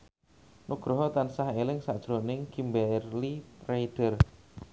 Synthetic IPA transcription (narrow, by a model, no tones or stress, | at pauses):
nuɡ̥ɾɔɦɔt̪ansahelɪŋsaʔd̥ʒ̥ɾonɪŋkimbɛrlirajd̥ər